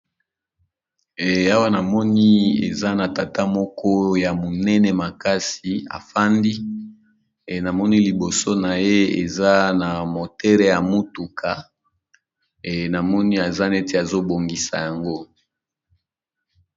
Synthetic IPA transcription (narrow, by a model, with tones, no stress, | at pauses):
a˦wa˦na˨mɔ˦ni˦ḛ˨za˦na˨ta˨ta˦mɔ˦kɔ˦ja˨mo˨nɛ˦nɛ˨ma˨ka˦si˨a̰˨fa˦ndi˦˨ | na˨mɔ˦ni˦li˨bo˨so˦na˨je˦ḛ˨za˦na˨mo˨tɛ˦lɛ˦ja˨mu˦tu˨kʰa˨ | e˨na˨mɔ˦ni˦a˨za˦ne˦te˦a˨zo˦bo˨ŋɡi˨sa̰˨ja˨ŋɡo˦